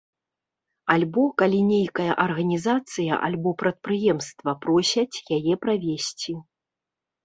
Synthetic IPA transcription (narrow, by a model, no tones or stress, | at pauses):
alʲbɔkalʲinʲejkɐjɐʔɐrɣɐnʲizat̪sɨjɐ̰ʔa̰lʲbɔpɾɐt̪̚pɾɨjɛmst̪vɐpɾɔsʲɐt͡sʲjajɛpɾavʲesʲt͡sʲi